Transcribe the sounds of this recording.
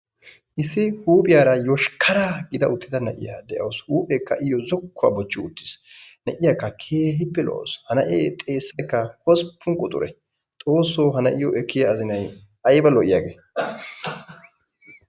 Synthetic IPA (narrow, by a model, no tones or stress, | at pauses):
ʔɪsɪhuːpʼɪjaːɾɐjɔʃkʰɐɾaɡɪd̪ɐʊt̪ːɪd̪ɐnɐ̰ʔɪ̰jaːd̪ɛʔɐwshuːpʼɛkːɐʔɪjɔzɔkːʊa̰ːbɔt͡ʃːɪʊ̰t̪ːɪ̥snɐʔɪjakːɐkʰe̞ːɦɪpːɛlɔ̰ʔo̰shɐnɐʔḛːt̪ʼe̞ːsːɐjkːɐhɔspːʊŋkʼɔt̪ʼʊ̰ɾɛ̰ | t̪ʼo̞ːsːoːɦɐnɐʔɪjɔʔɛkʰːɪjaːzɪnɐj | ɐjbɐlɔʔɪja̰ːɡḛː